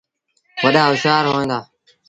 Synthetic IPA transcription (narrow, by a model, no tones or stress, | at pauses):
ʋəɗaːʊʃaːɾɦoːẽːnd̪aː